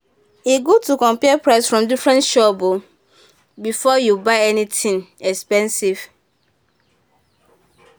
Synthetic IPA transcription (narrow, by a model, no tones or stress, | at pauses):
iɡotukɔ̃mpiɛpɹaɪsfɹɔ̃mdifɹɛ̃ntʃɔbo | bifɔjubaɪɛnitʰĩŋɛkspɛ̃nsiv̥